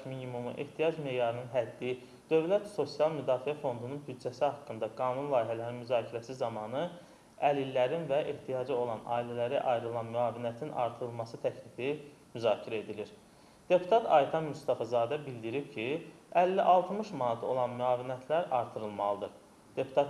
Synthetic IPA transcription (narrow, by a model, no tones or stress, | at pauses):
minimumṵʔḛht̪ʰijɑd͡ʒme̞ːjɑɾɯnɯnɦæd̪ːi | d̪̥ø̞vlæt̪so̞sijɑlˠmyd̪ɑːfiæfo̞nd̪ununbyd̪d͡ʒæsihɑkːɯnd̪ɑɡɑːnunlˠɑːjɦælæɾinmyzɑːcʰiɾæsizɑmɑnɯ | ælilːæɾinvæʔeht̪ʰijɑd͡ʒio̞lˠɑnʔɑ̰ːilælæɾiʔɑjɾɯlˠɑnmyɑːviniæt̪ʰinɑ̰ɾt̪ʰɯɾɯlˠmɑsɯt̪ʰæclifi | myzɑːcʰiɾæe̞d̪iliɾ | d̪̥e̞pʰu̥t̪ʰɑt̪ʰɑ̰jt̪ʰɑnmust̪ɑfɑzɑːd̪æbild̪iɾipcʰi | ælːiʔɑlˠt̪ʰmɯʃmɑnɑt̪ʰo̞lˠɑnmyɑːvinæt̪ʰlæɾɑɾt̪ʰɯɾɯlˠmɑlˠɯd̪ɯ | d̪̥e̞pʰu̥t̪ʰɑt̪